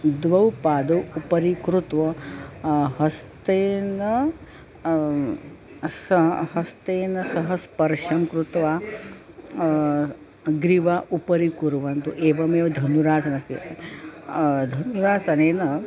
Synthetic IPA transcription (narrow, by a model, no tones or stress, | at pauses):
d̪ʋɐwpaːd̪ɐwupɐɾikɾut̪ʋɐ | ɦɐst̪eːnɐ | sɐhɐst̪eːnɐsɐɦɐspɐɾʂɐmkɾut̪ʋaː | ɡɾiʋaːʔupɐɾikuɾʋɐnt̪uʔeːʋɐmeːʋɐd̪ʱɐnuɾaːsɐnɐsi | d̪ʱɐnuɾaːsɐneːnɐ